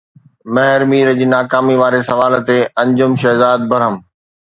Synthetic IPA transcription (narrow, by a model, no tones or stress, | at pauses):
mɐɦɪɾmiːɾəd͡ʑiːnaːkaːmiʋaːɾesɐʋaːlt̪eɐ̃ɲd͡ʑʊmʃɐɦzaːd̪̚bɐɾəm